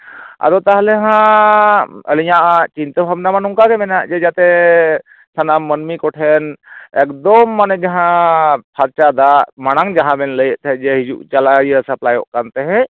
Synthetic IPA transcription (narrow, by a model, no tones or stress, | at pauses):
a̰ɾɔt̪aɦlɛɦã | ə̰lijãʔat͡ʃint̪əbʰʱabnamanuŋkakɛmɛnaʔd͡ʒɛd͡ʒat̪ɛ | sʰənamːənmikɔʈʰɛnɛkd̪ɔmːanɛd͡ʒaɦãpʰaɾt͡ʃad̪amaɽ̃aŋd͡ʒaɦãbɛnləjəʔt̪ɛd͡ʒɛɦid͡ʒṵʔt͡ʃalajəsəplajɔʔkant̪ɛɦɛ̃